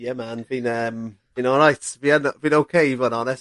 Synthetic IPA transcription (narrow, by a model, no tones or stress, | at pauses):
jɛmanb̥ĩnəmb̥ĩnɔlˠɹajtb̥ianbĩnoʊkʰeɪvənɔnɛs